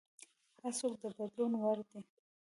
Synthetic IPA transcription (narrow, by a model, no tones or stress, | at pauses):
haɾsokd̪əbad̪lunwaɾd̪e